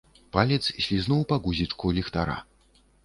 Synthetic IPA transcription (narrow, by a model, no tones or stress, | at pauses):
palʲɛt̪ssʲlʲiznuwpaɡuzʲit͡ʂkulʲɛxt̪aɾa̰